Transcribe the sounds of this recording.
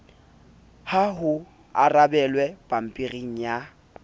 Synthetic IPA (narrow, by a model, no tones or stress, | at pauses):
haɦʊ | a̰rabɛlwɛpʼam̩pʼiriŋ̩ja